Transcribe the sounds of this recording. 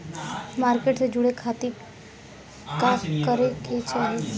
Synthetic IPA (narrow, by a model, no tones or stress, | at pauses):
maɾkeʈsed͡ʒuɽekʰat̪i | kakəɾeket͡ʃaɦe